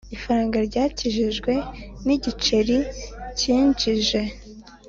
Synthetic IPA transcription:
ifaɾaːŋɡaɾɟaːciʒiʒɡwe̞niɟit͡ʃeɾiciːnd͡ʒiʒe̞

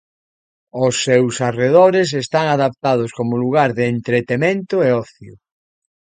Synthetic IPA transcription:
ʊsːewsareðoɾes̬est̪aŋaðap̚t̪að̞ʊskomʊluɣaɾðeːnt̪ɾet̪emẽnt̪ʊeɔθjʊ̰

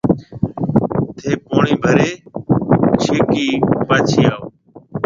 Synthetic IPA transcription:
t̪ʰeːpoːɳiːbʱəɾeː | t͡ʃʰeːkiːpaːt͡ʃʰiːaːoː

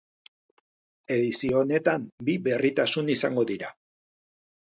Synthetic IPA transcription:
e̞ðisione̞t̪ambiβe̞rit̪asunisaŋɡo̞ðiɾa

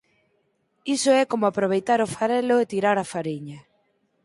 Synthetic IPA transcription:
isʊɛkomʊapɾoβ̞ejt̪aɾʊfaɾɛloet̪iɾaɾafaɾiɲɐ

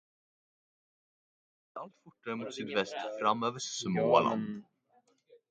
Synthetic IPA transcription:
al̥t̪fur̥ʈːaɾɪmut̪sit̪vɛst̪fɾamːœvʏɾ̥sʏmɔːva̰la̰nt̪

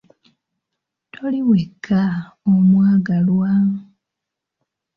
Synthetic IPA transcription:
tʰo̞liwekʰːaomwaːɡalwa

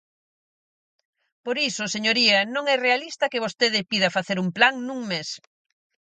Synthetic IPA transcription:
poɾisʊseɲoɾiɐnõŋɛrealist̪ɐkɪβ̞ost̪eðɪpiðɐfaθeɾumplaŋnũŋmes

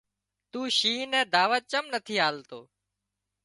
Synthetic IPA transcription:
t̪uːʃiːnɛ̃ːd̪aːʋət̪̚t͡ʃəmnət̪ʰiːaːlt̪o̰ː

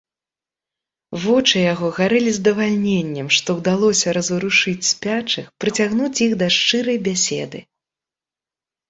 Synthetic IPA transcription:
vɔt͡ʂɨjaɣɔɣaɾɨlʲizd̪ɐvalʲnʲenʲːɛmʂt̪ɔwd̪alˠɔsʲɐɾɐzɨɾuʂɨt͡sʲsʲpʲat͡ʂɨxpɾɨt͡sʲaɣnut͡sʲjiɣd̪ɐʂt͡ʂɨɾɐjbʲasʲɛ̰d̪ɨ

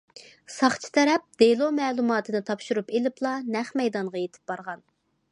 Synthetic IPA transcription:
sɑχt͡ʃʰi̥t̪ʰɛɾɛp̚d̪̥elˠomɛːlˠumɑːt̪ʰɨnɨt̪ʰɑpʃuɾupelɪplˠɑnæχmɛjd̪ɑnʁɑjet̪ʰɪ̥p̚b̥ɑɾʁɑn

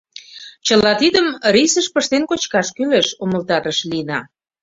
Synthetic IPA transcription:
t͡ɕəlɑt̪id̪əmɾisəʃpəʃt̪enkot͡ɕkɑʃkyleʃoməlt̪ɑɾəʃliənɑ

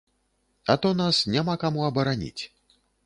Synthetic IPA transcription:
ɐt̪ɔnasnʲamakamuɐbɐɾanʲḭt͡sʲ

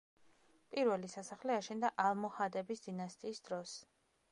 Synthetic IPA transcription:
pʼiɾvɛlisasaχliɛaʃɛnd̪aʔalˠmɔhad̪ɛbisd̪̥inast̪ʼiːsd̪̥ɾɔs

